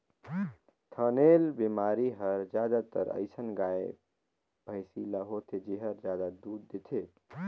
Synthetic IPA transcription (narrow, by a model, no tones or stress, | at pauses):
t̪ʰənelbimaɾiɦəɾd͡ʒjad̪at̪ə̰ɾə̰ɪsənɡae | bʱəɪsilaɦot̪ʰed͡ʒeɦəɾd͡ʒjad̪ad̪uɾd̪et̪ʰe